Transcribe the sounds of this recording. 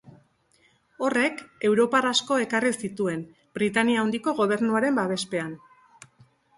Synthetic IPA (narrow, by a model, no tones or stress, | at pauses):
o̞re̞ke̞wɾo̞parasko̞e̞karisit̪ue̞n | b̥ɾit̪aniaund̪iko̞ɣo̞β̞e̞ɾnuaɾe̞mbaβe̞spe̞an